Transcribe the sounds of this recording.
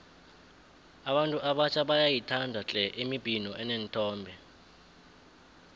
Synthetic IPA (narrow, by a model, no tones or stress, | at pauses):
aɓantʼuʔaɓat͡ʃʰʼaɓajajitʰandʱat͡ɬʼɛʔimib̥ʱinɔʔɛnɛntʰʼɔːmbʱɛ